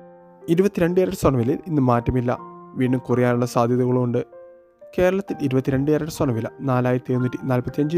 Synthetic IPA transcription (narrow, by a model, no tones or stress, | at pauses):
iɾubɐt̪ːiɾe̞ɳɖɨjɐɾɐʈːɨswɐɳɐʋililinːɨmaːtːɐmilːɐ̰ʋiːɳːumkurɐjaːnuɭːɐsaːd̪ʱjɐðuɣɐɭuuɳɖɨ | ke̞ːɾɐɭɐt̪ːiliɾubɐt̪ːiɾe̞ɳɖɨjɐɾɐʈːɨswɐɳɐʋilɐ̰naːlaːjit̪ːeːunːiʈːinaːlpɐt̪ːijɐɲd͡ʑɨ